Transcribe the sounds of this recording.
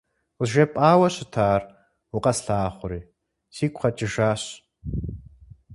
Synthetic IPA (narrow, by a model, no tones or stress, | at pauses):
lʒɐpʼaːwɐɕɪtʰaːr | uqɐsɬaːχʷʊɾiː | siːkʷχɐt͡ʃʼɪʒaːɕ